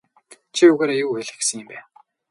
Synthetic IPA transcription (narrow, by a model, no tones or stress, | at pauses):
t͡ɕʰiuɣeːɾajuːeɮɘ̆xɡesə̆ŋɪ̆mpæː